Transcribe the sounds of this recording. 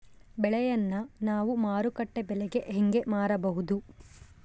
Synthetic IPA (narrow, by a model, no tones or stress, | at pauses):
bɛɭɛjɐnːɐnaːʋumaːɾukɐʈːebɛlɛɡe̞ʔɦeŋɡe̞maːɾɐbɐɦud̪u